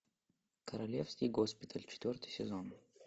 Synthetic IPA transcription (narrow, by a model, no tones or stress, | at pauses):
kʰəɾɐlʲefskʲɪjɡospʲɪt̪ʰəlʲt͡ɕɪ̥t̪vʲort̪ɨjsʲɪzon